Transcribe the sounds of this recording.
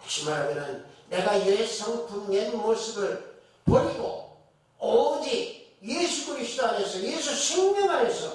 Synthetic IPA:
kɕ͈ʰimaɾmenɯnne̞ɡajeɭsʰʌŋkumɲenmos͈ɯbɯɭ | pʌɾiɡo | ʌd͡ʑijesʰuɡɯɾisʰidoane̞sʰʌjesʰusʰuŋɲʌnane̞sʰʌ

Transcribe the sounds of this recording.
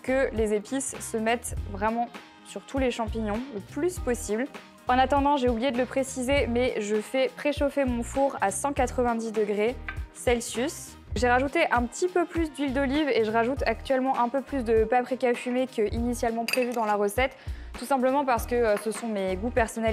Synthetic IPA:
kəlezepisːəmɛt̪vʁɛmɑ̃ | syʁt̪ʰuleʃɑ̃piɲɔ̃ləplyspɔsibl | ɑ̃nat̪ɑ̃d̪ɑ̃ʒeublijed̪ələpχesizemɛʒəfɛpχeʃofemɔ̃fuʁasɑ̃kat̪χəvɛ̃d̪id̪əɡʁesɛlsys | ʒeʁaʒut̪eʔɛ̃pət̪ipøplys̬d̪ɥild̪ɔliveʒəʁaʒut̪ak̚t̪ɥɛlmɑ̃ʔɛ̃pøplys̬d̪əpapχikʲafymekəʔinisjalmɑ̃pχevyd̪ɑ̃laʁəsɛt̪ːusɛ̃pləmɑ̃paʁsə̥kəsəsɔ̃meɡupɛʁsɔnɛl

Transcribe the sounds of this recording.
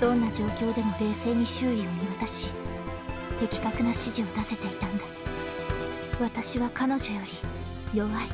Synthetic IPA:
d̪̥õ̞nːaʑo̞ːkʲo̞ːd̪e̞mo̞ɾe̞ːse̞ːɲ̟iɕɨːɾʲioɲ̟iβat̪aɕi | t̪e̞kʲi̥kakɯ̟naɕiʑio̞d̪ase̞t̪e̞it̪ãnd̪a | βat̪aɕiβakano̞ʑo̞jo̞ɾʲi | jo̞βai

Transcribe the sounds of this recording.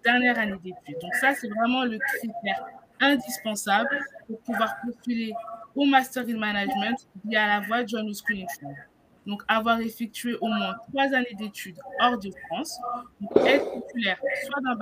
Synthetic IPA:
d̪̥ɛʁnjɛʁaned̪et̪yd̪ɔ̃ksasɛvʁɛmɑ̃ləkχit̪ɛʁɛ̃d̪ispɑ̃sablpuʁpuvwaʁpɔfileomast̪ɛʁinmanaʒmɛ̃t̪vijɛalavwad͡ʒɔnuskwiinfɔ | d̪ɔ̃kavwaʁefɛk̚t̪ɥeʔomwɛ̃t̪χwazaned̪et̪ʰyd̪ɔʁd̪əfχɑ̃sd̪ɔ̃kɛt̪χpopylɛʁswad̪ɑ̃b

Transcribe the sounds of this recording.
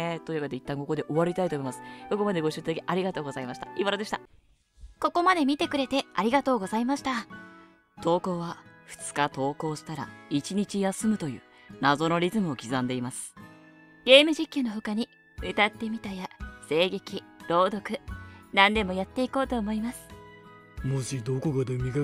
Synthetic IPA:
et̪o̞iβaket̪eit̪ːãŋko̞ko̞d̪e̞ʔo̞βaɾʲit̪ait̪oːmoimasɨ̥ko̞ko̞mad̪e̞ɡo̞ɕɨit̪ad̪akʲiʔaɾʲiɡat̪o̞ːɡozaimaɕi̥t̪aiβaɾad̪e̞ɕi̥t̪a | ko̞ko̞mad̪e̞mʲit̪e̞kɯ̟ɾe̞t̪e̞aɾʲiɡat̪o̞ːɡo̞zaimaɕi̥t̪a | t̪o̞ːko̞ːβaɸɯ̟̥t͡sɨ̥kat̪o̞ːko̞ːɕi̥t̪aɾa̰it͡ɕiɲ̟it͡ɕijasɨmɯ̟t̪o̞jɯ̟̰ː | nazo̞no̞ɾʲizɨmɯ̟o̞kʲizãnd̪e̞imasɨ̥ | ɡe̞ːmɯ̟ʑikʲːɨno̞ɸokaɲ̟i | ɯt̪at̪ːe̞mʲit̪ajase̞ːɡe̞kʲiɾo̞ːd̪o̞kɯ̟nãnd̪e̞mo̞jat̪ːe̞iko̞ːt̪o̞ːmo̞imasɨ̥ | moɕid̪okoɡad̪emʲiɡa

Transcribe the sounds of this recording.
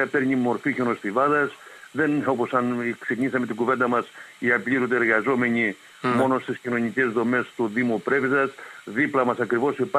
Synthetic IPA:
ɐpe̞ɾɲimo̞ɾfiçonost̪ivɐðɐsðe̞no̞po̞sɐnkseciɲisɐme̞t̪iɡuve̞nd̪ɐmɐsiɐpʎiɾud̪eeɾɣɐzo̞me̞ɲi | mo̞no̞st̪iscino̞ɲice̞zðo̞me̞st̪uðimupɾe̞viðɐsðiplɐmɐsɐkɾivo̞sipɐ

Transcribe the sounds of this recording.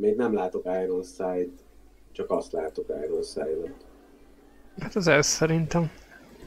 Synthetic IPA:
meːɡnɛmlaːt̪o̞kajɾolsaːjt̪ | t͡ʃɒkɒst̪laːt̪oka̰ːjɾolsa̰ːjd̪ot̪ | hat̪ɒzɛsːɛɾint̪ɛm

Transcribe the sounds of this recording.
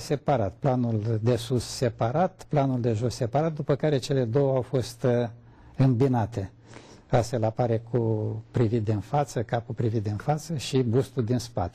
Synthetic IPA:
se̞paɾat̪planuld̪e̞susːe̞paɾat̪planuld̪e̞ʒo̞sse̞paɾat̪̚d̪upəkaɾe̞t͡ʃe̞le̞d̪o̞wəawfo̞st̪ | ɨmbinat̪e̞ | ast̪felapaɾe̞kʰupɾivit̪̚d̪enfat̪səkapulpɾivit̪̚d̪enfat̪səʃibust̪uld̪inspa̰t̪e̥

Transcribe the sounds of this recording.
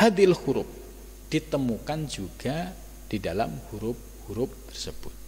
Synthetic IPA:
had̪ɪlhuɾʊp̚ | d̥it̪əmukand͡ʒuɡ̥a | d̥idala̰mhuɾʊp̚huɾʊp̚t̪ə̥rsəb̥ʊt̪̚

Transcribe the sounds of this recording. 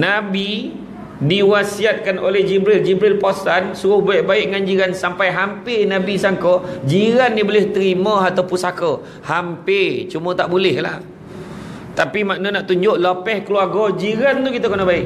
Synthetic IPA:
nabi | diwasiat̪̚kanʔolɛhd͡ʒibɾild͡ʒibɾilpasansuɾʊhbaɪʔbaɪʔŋand͡ʒiɾansampajɦampɪnabisaŋkɔd͡ʒiɾanːibolɪht̪əɾimə̃at̪awpusakə | hampɪt͡ʃumə̃t̪aʔbulɛhla̰h | t̪apimaʔnənaʔt̪uɲd͡ʒʊʔlapɛhkəluarɡɔd͡ʒiɾant̪ukit̪əkənəbaɪʔ

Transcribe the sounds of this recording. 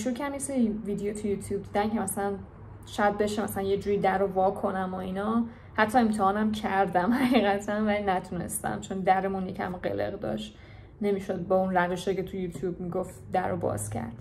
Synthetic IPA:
iʃuɾcʰææneseɾiviːd̪ejot̪ʰujuːt̪ʰjuːb̚d̪id̪æncʰemæsælæn | ʃɒd̪̚be̞ʃemæsælænje̞d͡ʒuːɾid̪æɾovɒːkʰo̞næmoinɒ | hæt̪ʰːɒːe̞mt̪ʰehɒːnæmcʰæɾd̪æmhæɣiːɣæt̪ʰænvælinæt̪ʰune̞̰st̪æ̰mt͡ʃʰo̞nd̪æɾe̞munjecʰæ̰mɢḛlḛɣd̪ɒ̰ʃt̪ | ne̞miʃo̞d̪̚bɒunræveʃecet̪ʰujut̪ʰjubmiɡoft̪d̪æɾobɒ̰ːz̥cʰæ̰ɾd̪̥

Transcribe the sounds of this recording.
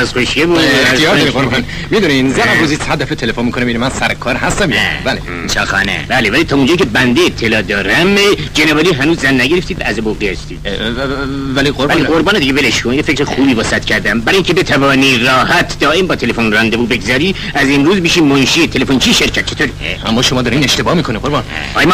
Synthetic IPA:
ɒzxoʃjebuexijɒːɾnemikoɾon | mid̪uninzææbuzishæɾd̪æfet̪ʰelefonmiːkʰonemiinimænsæɾkʰɒːɾɦæst̪æminæbæle | sɒxɑ̰næ̰bælevæliːt̪ʰɒːund͡ʒɒːicʰebænd̪eet̪ʰːelɒːd̪ɒːɾæmd͡ʒenevɒːliːɦænuːzːænːæɟeɾeft̪iːd̪vææzeboɡihæst̪i̥ː | væliɡoɾbæliɡoɾbɑːned̪iɡeveleʃkʰonjefekɾexuːbiːvɒːsæt̪cʰæɾd̪æmbæɾɑːjiŋcʰebet̪ʰævɒːniːrɒːhæt̪ʰd̪ɒːʔembɒːt̪ʰe̞lefonrɒnd̪ebuːbe̞ɡzɒːɾiː | æzemɾuːzmiːʃiːmonʃiːet̪ʰe̞lefont͡ʃʰiʃe̞ɾcʰæt̪̚t͡ʃʰet̪oɾineæmːɒːʃomɒːd̪ɒːɾineʃt̪e̞bɒːhmiːkʰoniɡoɾbɑn̰ | ɒːjm

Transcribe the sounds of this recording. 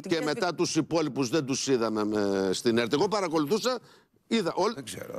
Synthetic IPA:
ce̞me̞t̪ɐt̪usipo̞lipuzðend̪usiðɐmemest̪ineɾt̪ieɣo̞pɐɾɐko̞luθusɐ | iðɐʔolezḛɾo̰

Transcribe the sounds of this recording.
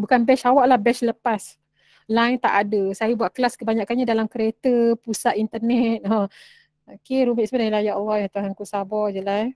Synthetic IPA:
bukanbɛsawaʔlahbɛsləpas | lajnt̪aʔadəsajabuaʔkəlaskəbaɲaʔkanɲadalamkəɾet̪əpusaʔ̪int̪ərnɛt̪̚ɔ̃ | okeɾumɛʔsəbədailajaɔlːɔhjat̪uɦaŋkusabɔd͡ʒəla

